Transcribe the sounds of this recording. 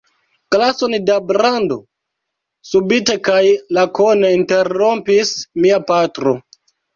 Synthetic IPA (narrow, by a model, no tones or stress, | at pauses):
klasondabɾando̞̰ | subite̞kajlakoneinte̞ɾo̞mpismiapatɾo̞